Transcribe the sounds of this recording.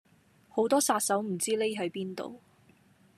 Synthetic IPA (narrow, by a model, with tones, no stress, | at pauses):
ho˨˥wt̪ɔː˥saː˧t̚sɐ˨˥wm̩˨˩t͡siː˥le˥jɦɐ˨˥jpiː˥nt̪o̰˨w